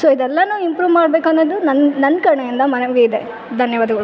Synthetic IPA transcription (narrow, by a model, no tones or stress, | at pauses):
soːid̪ɛlːɐnuːimpɾuːʋmaːɽbeːkɐnːɐd̪unɐnnɐnːkɐɾɐɳɐjind̪ɐmɐnɐʋiɡeid̪e | d̪ʱɐnjɐʋaːd̪ɐɡɐɭu